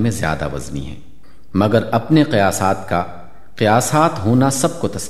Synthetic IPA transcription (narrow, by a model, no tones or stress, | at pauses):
mẽzja̰ːd̪a̰ʋɐ̰zmḭɦɛ̰̃ː | mɐɡəɾɐpneqɪjaːsaːt̪̚ka | qɪjaːsaːt̪ɦoːnasɐb̚kot̪ɐs